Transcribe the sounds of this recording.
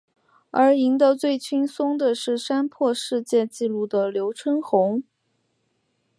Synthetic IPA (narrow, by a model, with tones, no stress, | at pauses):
ə˞˧˥i˧˥ŋd̪ə˧t͡swe˥˩ɪt͡ɕʰy˥nsʊ˥ŋd̪ə˨ʂɻ̩˥˩ʂa˥npʰwɔ˥˧ʂɻ̩˥˧t͡ɕjɛ˥˧t͡ɕi˥˧lu˥˩d̪ə˩ljo˧˥ʊʈ͡ʂʰə˥nxʊ˧˥ŋ